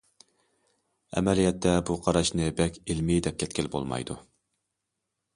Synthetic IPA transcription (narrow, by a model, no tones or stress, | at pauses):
ɛ̰mɛlijɛt̪ʰːɛbuqʰɑɾɑʃnɨbɛkʲilmid̪ɛp̚kʲʰɛt̪̚kʲilbo̰lˠmɑ̰jd̪ṵ